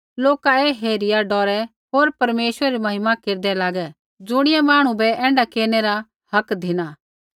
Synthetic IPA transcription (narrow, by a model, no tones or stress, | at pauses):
loːkaeːɦeːɾɪjaɖɔːɾɛ | ɦoːɾpɐɾmeːʃwəɾɛɾimɐɦɪmakeːɾd̪ɛlaːɡɛ | d͡zʊɽ̃ɪjɛmaːɽ̃ũbɛɛ̃ːɳɖakeːnɛɾa | hɐkd̪ʱɪñaː